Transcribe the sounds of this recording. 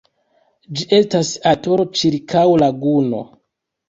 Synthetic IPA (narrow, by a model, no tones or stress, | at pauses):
d͡ʒiʔe̞stasato̞ɾo̞t͡ʃiɾkʰawlaɡuno̞̰